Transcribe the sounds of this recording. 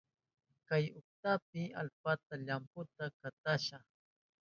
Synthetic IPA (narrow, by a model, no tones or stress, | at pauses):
kajʊk̚t̪ap̚ɪa̰lpat̪aʎampʊt̪akat̪aʃaχ